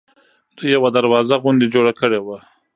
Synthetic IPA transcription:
d̪ujawad̪aɾwɑzaɣʊnd̪ed͡ʒoɽakəɽewa

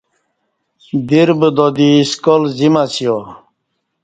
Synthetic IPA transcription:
d̪iɾbəd̪od̪iskolzimasijo

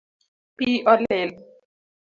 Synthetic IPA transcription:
piʔɔlel

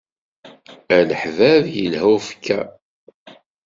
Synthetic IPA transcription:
æləħvævjəlhufə̥kːæ

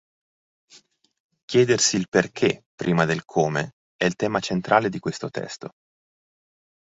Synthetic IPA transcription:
kjɛːd̪ersiːlperk̟ʰepːɾiːmad̪elkʰoːme | ɛilt̪ɛːmat͡ʃent̪ɾʔaːled̪ikwest̪ot̪ɛ̰st̪o

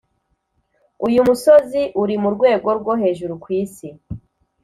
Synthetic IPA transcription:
ujumusoziʔuɾimuɾɡwe̞ːɡo̞ɾɡwo̞ɦe̞ːʒuɾukwiːsi

